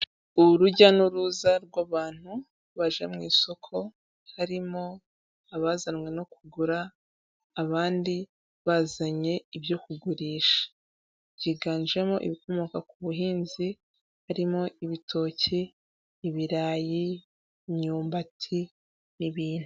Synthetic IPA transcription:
uɾuɟanuɾuzaɾɡwaːβaːn̥hu | βaʒemŋiːso̞kʰo̞ | haɾimo̞ | aβazanwe̞no̞kʰuɡuɾaː | βaːndi | βaːzaɲe̞iβjo̞kuɡuɾiːʃḁ | ɟiɡaːnʒe̞mo̞ʔḭβiko̞moːkakuβuɦiːnzi | haɾimo̞iβitʰo̞ːciː | βiɾaːji | mɲuːmbatʰi | niβiːn̥hu

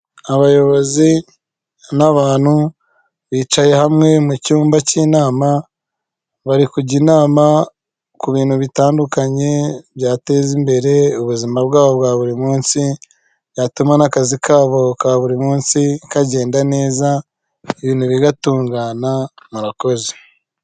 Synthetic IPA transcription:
aβajo̞βo̞zi | naβaːnhu | βiːt͡ʃaje̞hamŋe̞mucuːmbaciːnaːma | βaɾikuɟinaːma | kuβiːnhuβitaːndukaɲe̞βjaːte̞zimbe̞ɾe̞uβuzimabɡaːβo̞bɡwaːβuɾimuːnsi | jatumanakazikaːβo̞kaβuɾimuːnsikaɟe̞ːndane̞ːza | eβiːnhuβiɡatuːŋɡanamuɾako̞ze̥

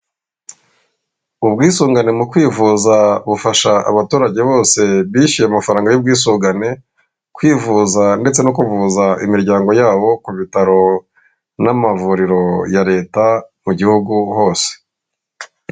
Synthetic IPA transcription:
ubɡiːsuːŋɡane̞mukwiːvuzaβufaʃaa̰βatuːɾaɟe̞βo̞ːse̞βiːʃijemafaɾaːŋɡajub̚ɡiːsuːŋɡane̞ | kwiːvuzande̞t͡senokuvuzaimiɾɟaːŋɡo̞jaːβo̞kuβitaɾo̞ | namavuɾiɾo̞jaɾe̞ːtamuɟihuɡuho̞ːse̥

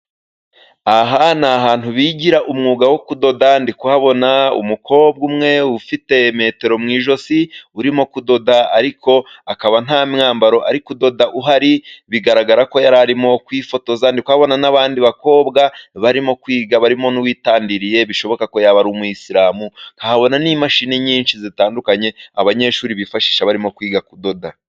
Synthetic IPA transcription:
aɦanaɦaːn̥uβiːɟiɾaʔumŋuːɡawo̞kudo̞dandikwaβo̞naṵmukʰo̞ːbɡumŋe̞ufite̞me̞ːte̞ɾo̞mŋiːʒo̞siuɾimo̞kudo̞daaɾikʰo̞akaβan̥haːmŋaːmbaɾo̞ʔaɾikudo̞daʔuɦaɾiβiɡaɾaɡaɾako̞jaɾaɾimo̞kwiːfo̞to̞zaːndikwaːβo̞nanaβaːndiβako̞ːbɡaβaɾimo̞kwiːɡaβaɾimo̞nuwiːtaːndiɾije̞βiʃo̞βo̞kako̞jaβaɾumujisiɾaːmukahaβo̞nanimaʃiːneɲiːnʃizitaːndukaɲe̞aβaɲe̞ʃuːɾiβifaʃi̥ʃaβaɾimo̞kwiːɡakudo̞da

